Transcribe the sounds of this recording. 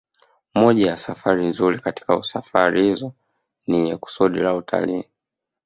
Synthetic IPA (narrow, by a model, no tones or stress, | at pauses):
mɔʄajasafaɾinzuɾikati̥kausafaɾihizɔ | niɲɛku̥suɗilautʰa̰liː